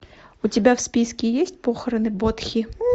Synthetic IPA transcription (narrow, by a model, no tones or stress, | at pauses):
ut͡sʲabʲawsʲpʲiskʲijɛsʲtʲt͡sʲpɔxɐɾɐnɨbɔt̪xʲi